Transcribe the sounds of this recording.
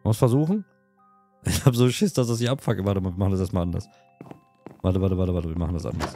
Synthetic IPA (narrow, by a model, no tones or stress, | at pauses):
mmʊsfɛɐzuːχn̩ | ʔɪçhaːpzoːʃɪsd̥asd̥as̬ɪçʔapfakəvaːtəmaːlviɐmaχn̩daseːɐstmalʔandɐ̰s | vaːtəvaːtəvaːtəvaːtəviːɐma̰χn̩dasʔa̰ndɐs